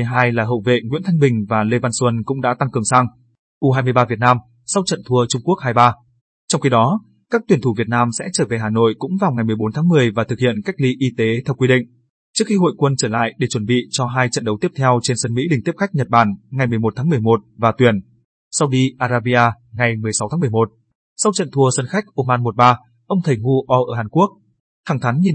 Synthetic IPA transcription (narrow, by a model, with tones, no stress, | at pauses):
ɦaː˧jlaː˨˩ɦə̰˧˨wvḛ˧˨ŋwḭ˧˥nt̪ʰa˧jŋ̟ɓï˨˩ŋ̟vaː˨˩le˧vaː˧nswə˧nkʊ̰˧˥ŋ͡mɗa̰ː˧˥t̪a˧ŋkɨ˨˩əŋsaː˧ŋ | ʔu˧ɦaː˧jmɨ˧jɓaː˧vi˨˩ət̚naː˧m | sa˧wt͡ɕə̰˧˨nt̪ʰu˧ət͡ɕʊ˧ŋ͡mku˦˥ək̚haː˧jɓaː˧ | t͡ɕɔ˧wŋ͡mxi˨˧ɗɔ˨˦ | kaː˦˥k̚t̪wi˨˩ənt̪ʰu˧˩vi˨˩ət̚naː˧msɛ̰˧˥t͡ɕəː˧˩ve˨˩ɦaː˨˩no̰˧˨jkʊ̰˧˥ŋ͡mvaː˨˩wŋa˨˩jmɨ˨˩əjɓo˨˦nt̪ʰaː˨˦ŋmɨ˨˩əjvaː˨˩t̪ʰɨ˨˩k̚hḭ˧˨ənka˦˥jk̚li˧ʔi˧t̪e˨˦t̪ʰɛ˧wkwi˧ɗḭ˧˨ŋ̟ | t͡ɕɨ˦˥ək̚xi˧ɦo̰˧˨jkwə˧nt͡ɕəː˧˩la̰ː˧˨jɗe˧˩t͡ɕwə˧˩nɓḭ˧˨t͡ɕɔ˧ɦaː˧jt͡ɕə̰˧˨nɗə˨˦wt̪i˦˥ət̪ʰɛ˧wt͡ɕe˧nsə˧nmḭ˧˥li̟˨˩t̪i˦˥əp̚xa˦˥k̚ɲə˨˩t̚ɓaː˧˩nŋa˨˩jmɨ˨˩əjmo˨˩t̚t̪ʰaː˨˦mɨ˨˩əjmo˨˩t̚vaː˨˩t̪wi˨˩ən | sa˧wɗi˧ʔaː˧zaː˧ɓi˧ʔaː˧ | ŋa˨˩jmɨ˩əjsa˨˦wt̪aː˨˦m˨˩ə˩mo˨˩t̚ | sa˧wt͡ɕə̰˧˨nt̪ʰu˧˩əsə˧nxa˦˥jk̟̚ʔo˧maː˧nmo˨˩t̚ɓaː˧ | ʔə˧wŋ͡mt̪ʰə˨˩jŋu˧ʔɔ˧ʔəː˧˩haː˨˩nku˦˥ək̚ | haː˧˩ŋt̪ʰa˨˦ŋɲi˨˩n